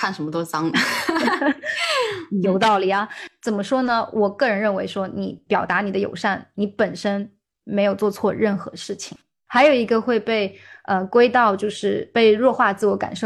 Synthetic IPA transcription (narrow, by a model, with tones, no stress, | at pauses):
kʰa˥˩nʂə˧˥nmə˧t̪o˥t͡sɑ˥ŋnə˨˩ | jo˧˥ʊt̪ɑ˥˩ʊli˨˩ɐ˩t͡sə˨˩nmə˦ʂwɔ˥nə˨wʔɔ˨˩kɤ˥˩ɻə˧˥nɻə˥˩nwe˧˥ɪʂwɔ˥ni˨˩˦pjɑ˨˩ʊt̪a˧˥ni˨˩ə˦jo˨˩ʊʂa˥˩nni˧˥pə˨˩nʂə˥n | me˧˥ɪjo˨˩ʊt͡swɔ˥˧t͡sʰwɔ˥˧ɻə˥˩nxɤ̰˧˥ʂɻ̩˥˩t͡ɕʰḭ˨˩ŋ | xa˧˥ɪjo˨˩ʊi˧˥ɡə˧xwe˥˧ɪpe˥˩ɪə˧kwe˥ɪt̪ɑ˥˧ʊt͡ɕjo˥˧ʊʂɻ̩˥˩˧pe˥˧ɪɻwɔ˥˧xwa˥˧t͡sɹ̩˥˩wɔ˧˥ka̰˨˩nʂo˥˩